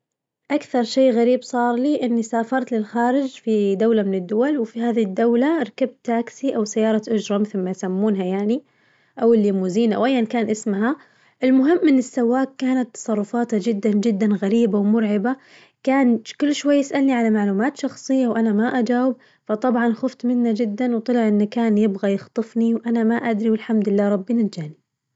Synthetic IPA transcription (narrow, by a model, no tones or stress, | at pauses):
ʔakθɑɾˤʃeːɣaɾiːbsˤɑːɾˤliʔɪnːisaːfɑɾˤt̪lɪlxaːɾɪd͡ʒfid̪awlamɪnɪd̪ːʊwalwɪfiɦaːðid̪ːawlaɾˤɑkab̚tt̪ːaːksiʔawsajːɑːɾˤɑʔʊd͡ʒɾˤɑmɪθɪlmajsamːuːnɦajaːni | ʔawɪlːimuːziːnʔa̰wʔajːʔankaːnʔɪsmɦa | ʔɪlmʊɦɪmːʔɪnːɪsːawːaːkːaːnat̪ːɑ̥sˤɑrˤːʊfɑːt̪had͡ʒɪd̪ːand͡ʒɪd̪ːanɣaɾiːbawmʊɾʕɪba | kaːnkʊlːʃwajːɪsʔalniʕalamaʕluːmaːt̪ʃɑxsˤɨjːawʔanamaʔad͡ʒaːwɪb̚ | fɑt̪ˤɑbʕɑnxʊft̪mɪnːad͡ʒɪd̪ːanwt̪ˤɑlɪʕʔɪnːakaːnjɪbɣajɪxt̪ˤɨfniwʔanamaʔad̪ɾiwɪlħamd̪ɪlːaːɾˤɑbːinat̪d͡ʒaːni